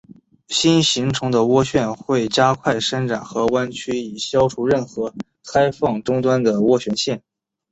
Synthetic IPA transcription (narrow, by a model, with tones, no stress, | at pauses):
ɕi˥nɕi˧˥ŋʈ͡ʂʰʊ˧˥ŋd̪ə˧wɔ˥ɕɥɛ˥˧nxwe˥˩ɪt͡ɕja˥kʰwa˥˩ɪʂə˥nʈ͡ʂa˨˩nxɤ˧˥wa˥nt͡ɕʰy˥i˨˩ɕjɑ˥ʊʈ͡ʂʰu˧˥ɻə˥˩nxɤ˧˥ | kʰa˥ɪfɑ˥˩ŋʈ͡ʂʊ˥ŋt̪wa˥nd̪ə˨wɔ˥ɕɥɛ˧˥nɕjɛ˥˩n